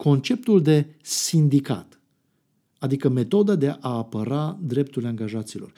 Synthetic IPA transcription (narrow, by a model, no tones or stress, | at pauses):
ko̞nt͡ʃe̞p̚t̪uld̪e̞sind̪ika̰t̪ | ad̪ikəme̞t̪o̞d̪ad̪eʔaːpəɾad̪ɾe̞p̚t̪ulʲaŋɡaʒat̪silo̞̰r